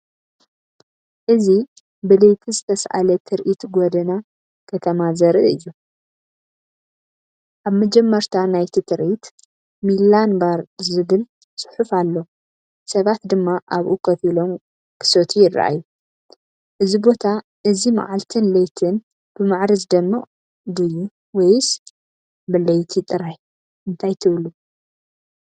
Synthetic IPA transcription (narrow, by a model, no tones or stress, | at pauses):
ʔɨzi | bɨlɐjt̪ʰizɨt̪ʰɐsʔa̰lɐt̪ʰɨɾʔit̪ɡod̪ɐna | kʰɐt̪ʰɐmazɐɾɨɨjːu | ʔaβmɐd͡ʒɛmːɐɾt̪ʰanajt̪ʰit̪ʰɨɾʔit̪ | milanbaɾzɨβɨl | sɨ̥ħufalːo̞ | sɐβat̪d̪ɨmːaʔaβʔukʰɐfilo̞m | kʰɨ̥sot̪ʰijɪra̰ʔa̰ju | ʔɨzibo̞t̪ʰa | ʔɨzima̰ʕalt̪ʰɨnlɐjt̪ʰɨn | b̥ɨmaʕɾɐzd̪ɐmːɨʔʼ | d̪ɨju | wɔjs | bɨlɐjt̪ʰit̪ʼɨɾaj | ʔɨnt̪ʰajt̪ʰɨβlu